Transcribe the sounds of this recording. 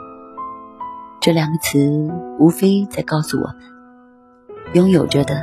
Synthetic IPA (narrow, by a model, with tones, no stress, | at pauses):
ʈ͡ʂɤ˥˩ljɑ˨˩ŋɡə˧˦t͡s̩ʰ˧˦u˧˥fe˥ɪt͡sa˥˧ɪkɑ˥˧ʊsu˥˩wɔ̰˨˩ | jʊ˥ŋjo˨˩ʊʈ͡ʂə˧˥d̪ə˧